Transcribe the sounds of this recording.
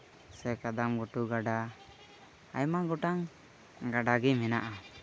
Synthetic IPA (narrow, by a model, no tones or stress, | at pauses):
sɛkad̪amɡɔʈuɡaɖa | a̰jmaɡɔʈaŋ | ɡaɖaɡɛmɛnaʔa